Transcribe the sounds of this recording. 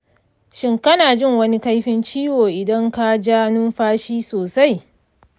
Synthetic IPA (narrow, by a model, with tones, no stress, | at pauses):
ʃɪ˦ŋkɐ˦naː˨d͡ʒɪ˦˨ŋwɐ˦ni˦ka˦jɸɪ˦nt͡ʃiː˦woː˨ʔɪ˨dɐ˦ŋka˦d͡ʒaː˦nʊ˦mɸaː˦ʃiː˦soː˨sa˦j